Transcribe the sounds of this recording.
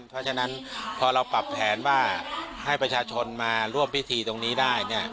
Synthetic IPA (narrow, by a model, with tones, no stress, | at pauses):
npʰɾɔ˦˥t͡ɕʰa˧na˦˥npʰɔː˧ɾa˧wpa˨˩pʰːɛː˩˦nwaː˥˩ha˥˩jpɾa˧t͡ɕʰaː˧t͡ɕʰo˧nmaː˧ɾu˥˩əmpʰi˦˥t̪ʰiː˧t̪o˧ŋniː˦˥daː˥˩jni˥˩ɐ